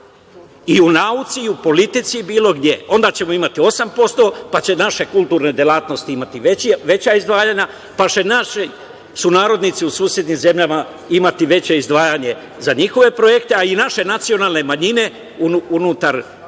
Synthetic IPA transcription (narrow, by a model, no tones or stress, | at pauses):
iunaut̪siːupo̞lit̪it̪sibiːlo̞ɡd̪je̞o̞nd̪aːt͡ɕe̞moimat̪io̞sampo̞st̪o̞pat͡ɕe̞naʃe̞kulˠt̪uːɾne̞d̪jelˠaːt̪no̞st̪iimat̪iʋeʋe̞t͡ɕaizd̪ʋaːjaɲa | pat͡ʃe̞naʃi | sunaːɾo̞d̪nit̪siusuːsje̞d̪nimze̞mʎama | imat̪iʋe̞t͡ɕe̞izd̪ʋaːjaɲe̞ | zaɲixo̞ʋe̞pɾo̞je̞kt̪e̞ainaʃe̞nat̪sio̞naːlne̞maɲine̞ | unuunut̪aɾ